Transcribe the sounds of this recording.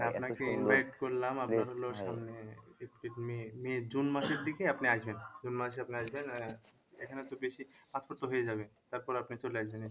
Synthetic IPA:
apnakeinʋajʈkoɾlamapnaɾɦoloʃamneepʈiʈmimed͡ʑunmaʃeɾd̪ikeapneaʃbend͡ʑunmaʃ̬eapneaʃben | ekʰanet̪obeʃipãt͡spɔɾt̪oɦojed͡ʑabet̪aɾpɔɾapnit͡ɕolajd͡ʑane

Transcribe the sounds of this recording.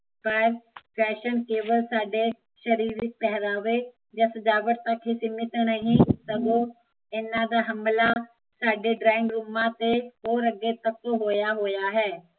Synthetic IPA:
pəɾpʰɛːʃənkeːbəlsaːɖe | ʃəɾiːɾɪk̚pɛɦɾaːʋeː | d͡ʒasəd͡ʒaːʋəʈt̪əkɦisɪmɪt̪nəɦĩsəɡoː | ɪnãːd̪aːɦəmlaː | saːɖeɖɾaːɪ̃ŋɡɾumãːt̪eɦoːɾəɡːeːt̪ək̚toɦoːjaːɦoːjaːɦɛː

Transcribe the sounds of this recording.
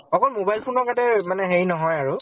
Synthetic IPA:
ɔkɔlmobajlpʰonɔkatɛmanɛɦeɹinɔɦɔjaɹu

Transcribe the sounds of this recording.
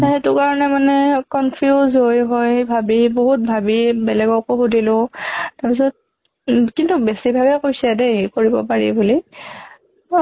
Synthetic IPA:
hetʊkaɹɔnɛmanɛkɔnpʰijuzɦojɦojbʱabiboɦut̚bʱabibɛlɛɡɔkoxudʱilʊ̃taɹpisɔt̚ | kintubesibʱabɛkojsɛdɛkoɹibɔpaɹḭbuli

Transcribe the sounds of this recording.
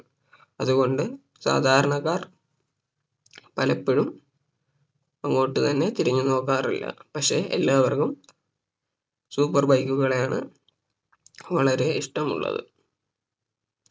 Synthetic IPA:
ɐðuɣo̞ɳɖɨ | sa̰ːd̪ʱaːɾɐɳɐkːaːr | pɐlɐpːeɻum | ɐŋːo̞ːʈːɨt̪ɐnːe̞t̪iɾiɲːuno̞ːkːaːrilːɐ̰pɐkʂe̞ʔḛlːaːʋɐrkum | suːpːɐrbɐjkːuɣɐɭejaːɳɨ̰ | ʋɐɭɐɾe̞iʂʈɐmṵɭːɐ̰ðɨ̰

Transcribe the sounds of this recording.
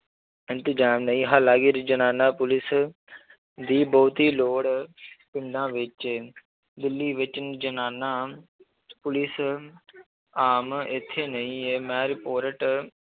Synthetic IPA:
ɪnt̪ɪd͡ʒaːmnəĩːɦaːlaːɡɪɾd͡ʒənaːnaːpʊlɪs | d̪iːboːt̪iːloːɽpɪ̃ɳɖãːʋɪt͡ʃ | d̪ɪlːiːʋɪt͡ʃd͡ʒənaːnaː | pʊlɪs | aːmɪt̪ʰːeːnəĩːeːmɛːɾɪpoːɾəʈ

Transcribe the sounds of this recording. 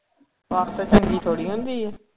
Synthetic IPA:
aːɾt̪ət͡ʃʰəŋɡiːt̪ʰoːɽiːɦʊ̃ːnd̪iːɛː

